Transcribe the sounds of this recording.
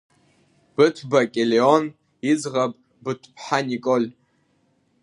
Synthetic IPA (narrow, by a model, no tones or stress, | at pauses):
b̥ɨtʰbakʲʼeleon | id͡zʁapʼ | bɨtʷʰpʰħanikʼolʲ